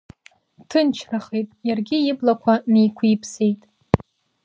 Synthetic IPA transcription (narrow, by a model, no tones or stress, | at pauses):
tʰɨnt͡ʃʰraχejtʼjarɡʲɪɪblakʷʰanejkʷʰiipʰse̞jtʼ